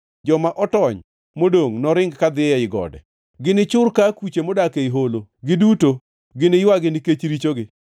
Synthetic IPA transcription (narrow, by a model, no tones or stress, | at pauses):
d͡ʒɔmaʔɔtɔɲ | modoŋnɔɾɪŋɡkad̪ɪjɛɪɡɔ̰dɛ̰ | ɡɪnɪt͡ʃʊrkakwit͡ʃemodakeiɦoloɡɪduto | ɡɪnɪjwaɡɪnɪket͡ʃɾit͡ʃoɡɪ